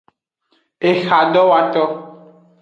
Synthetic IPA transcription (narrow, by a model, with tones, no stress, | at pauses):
e˨xa˨ɖɔ˦wa˨t̪ɔ˦